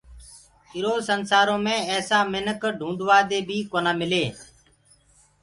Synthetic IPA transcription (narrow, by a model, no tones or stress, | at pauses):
ɪɾoːsənsaːɾõːmẽːɛːsãːmɪnəkɖʱũːnd̪ʋaːd̪eːbʱiːkoːnãːmɪleː